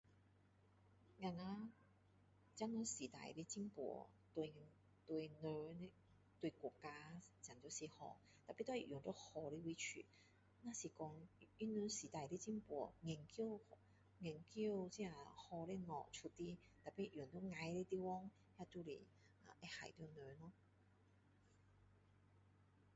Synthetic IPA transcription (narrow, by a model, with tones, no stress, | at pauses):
ŋa˧ŋa˧ | t͡ɕja˧˥nɔ˧si˨˩t̪a̰˧˩jle˦˥t͡ɕi˥ŋpwɔ̰˨˧˩t̪we˧ | t̪we˧nə˧˦ | t̪we˧kɔ˨˩ka˧t͡ɕja˨˩ŋt͡ɕo˧˩si˨˩hɔ̰˧ | t̪a˨˩jpi˦˥t̪ɔ˥˧˨i˧˨jʊ˨˦ŋt̪o˦hɔ˧˩li˦wi˧˦t͡ɕʰy̰˨ | nã˦˧si˨˩kɔ˧ŋi˧˥nø˧si˨˩t̪a˧˩jli˦˥t͡ɕi˥ŋpɔ̰˨˧˩ŋɛ˨˩ŋki˧˥˧ | ŋɛ˨˩ŋki˧əwt͡ɕi˧˦a˧˩hɔ˧le˧ŋɔ̰˨˩t͡sʰu˧t̪i˥ | t̪a˨˩pi˧˥˨jʊ˨˩ŋt̪o˥ŋa˧jle˦˧t̪i˦˥wɔ˥ŋ | ja˧t̪u˥lḭ˨˧ | a˨˩ʔɛ˧˥ha̰˨˩jt̪i˧nø˧nɔ˧˥